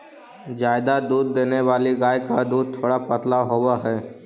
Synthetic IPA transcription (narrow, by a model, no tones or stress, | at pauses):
d͡ʒaːɪd̪ad̪uːd̪̚ːeːneʋaːliɡaːjkad̪uːd̪̚t̪ʰoːɽapət̪laɦowaɦɛː